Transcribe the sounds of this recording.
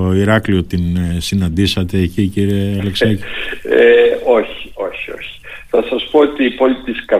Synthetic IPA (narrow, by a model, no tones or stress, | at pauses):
oiɾɐklio̞t̪insinɐnd̪isɐt̪e̞ːciciɾieɐleksɐcieo̞çi̥o̞̰çio̰çi̥ | θɐsɐspoot̪iːpo̞lit̪iskɐ